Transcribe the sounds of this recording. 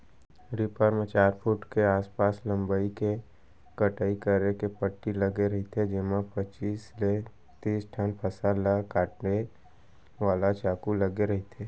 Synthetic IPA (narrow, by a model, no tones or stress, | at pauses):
ɾɪpəɾmẽt͡ʃaːɾpʰuʈkeaːspaːslə̃mbaike | kəʈaːikəɾekepəʈːilɐɡeɾɐɦit̪ʰed͡ʒɪmapət͡ʃiːsle | t̪iːsʈʰənpʰəsalakːaːʈne | ʋaːlat͡ʃaːkulɐɡeɾɐɦit̪ʰeː